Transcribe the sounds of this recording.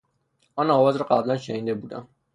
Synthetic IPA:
ɒnɒːvɒːzɾɒɢæblænʃeniːd̪ebuːd̪æ̰m

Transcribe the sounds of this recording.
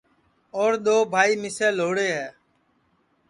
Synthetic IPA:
oːɾɗ̪oːbʱaːiːmɪsɛːloːɽeːɦɛː

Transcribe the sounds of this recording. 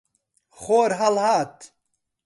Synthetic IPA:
χoːɾɦɐlhaːt̪

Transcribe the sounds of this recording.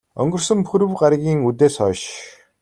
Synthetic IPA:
œ̰ŋɡɵ̆rsɵ̆mpʰɵɾɵ̆wɢaɾɣʲiːŋut̪eːsœːʃ

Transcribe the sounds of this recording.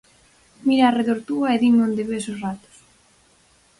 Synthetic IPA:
miɾaːreðoɾt̪uaeðimõnd̪eβesosrat̪ʊ̥s

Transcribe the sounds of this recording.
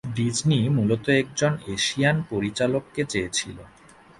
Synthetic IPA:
ɖid͡ʑnimulot̪oɛk̚d͡ʑoneʃianpoɾit͡ɕalokːet͡ɕeet͡ɕʰilo

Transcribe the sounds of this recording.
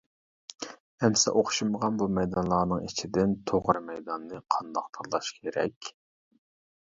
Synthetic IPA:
ɛmsɛ̰ʔoχʃiməʁɑnbumɛjd̪ɑnlˠɑːnɨŋit͡ʃʰid̪ɪnt̪ʰoʁɾɨmɛjd̪ɑnːɨqʰɑnd̪ɑq̚t̪ʰɑɾlˠɑʃkʲʰeɾɛ̰kʲ

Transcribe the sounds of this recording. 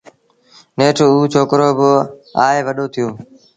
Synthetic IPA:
neːʈʰuːt͡ʃʰoːkɾoːbəaːeːʋəɗoːt̪ʰɪjoː

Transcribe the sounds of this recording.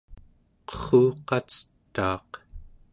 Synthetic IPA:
qʌ̥χuːqɑt͡sə̥t̪ːɑːq

